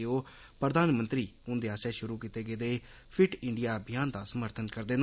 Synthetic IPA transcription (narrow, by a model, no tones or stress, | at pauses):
oː | pɾəd̪aːnmənt̪ɾiːʊnd̪eːaːsɛːʃʊɾuːkiːt̪eːɡeːd̪eː | pʰɪʈɪɳɖijaːbʱɪjaːnd̪aːsəməɾt̪ʰənkəɾd̪eːn